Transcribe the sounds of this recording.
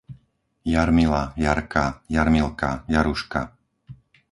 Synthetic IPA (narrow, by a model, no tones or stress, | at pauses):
jaɾmilajaɾkajaɾmilkajaɾuʃka̰